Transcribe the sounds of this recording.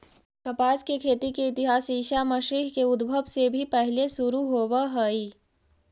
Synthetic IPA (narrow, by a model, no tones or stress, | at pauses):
kɐpaːskekʰeːt̪ikeɪt̪ɪɦaːsiːʃamɐʃiːɦkeʊd̪bʱəʋsebʱipɛɦlesʊɾuɦoːʋaɦəiː